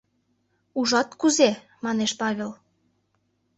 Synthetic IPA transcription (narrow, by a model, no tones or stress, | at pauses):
uʒɑt̪kuze | mɑneʃpɑβʲel